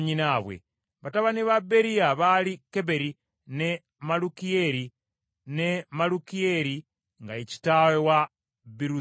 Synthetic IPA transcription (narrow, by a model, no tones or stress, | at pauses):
ɲinaβwḛ | βataβaniβabeɾiaβalikebeɾi | ne | malukieɾi | nemalukieɾi | ŋɡaeci̥tawewa | biɾu